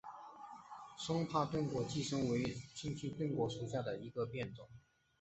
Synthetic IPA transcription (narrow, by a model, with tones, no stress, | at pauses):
ʂʊ˥ŋpʰa˥˩t̪ʊ˥ŋkwɔ˧˥t͡ɕi˥˩ʂɤ˥ŋwe˧˥ɪt͡ɕʰi˥˧ŋt͡ɕʰi˥˧t̪ʊ˥ŋkwɔ˧˥ʂu˧˥ɕja˥˩d̪ə˩i˧˥ɡə˧pjɛ˥˩nt͡sʊ˨˩˦ŋ